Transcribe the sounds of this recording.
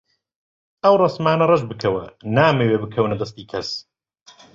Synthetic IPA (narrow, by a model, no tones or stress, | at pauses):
ʔɐwrˤɑsmaːnɐrˤɐʒbɨkʰɐwɐnaːmeweːbɨkʰɐwnɐd̪ɐst̪iːkʰɐs